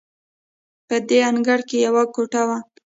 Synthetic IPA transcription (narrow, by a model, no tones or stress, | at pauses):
pəd̪eanɡaɽkejawakoʈawa